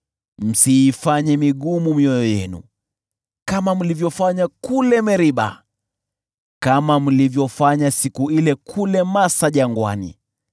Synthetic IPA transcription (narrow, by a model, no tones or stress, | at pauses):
m̩siːfaɲɛmiɠumumiɔjɔjɛ̰nṵ | kamam̩livjɔfaɲakulɛmɛɾiɓa̰ | kamam̩livjɔfaɲasikuilɛkʰulɛmasaʄaŋɡwa̰nḭ